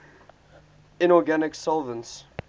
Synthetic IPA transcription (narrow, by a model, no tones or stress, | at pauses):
ɪ̃nɔɡænɪksɔlˠvə̃nts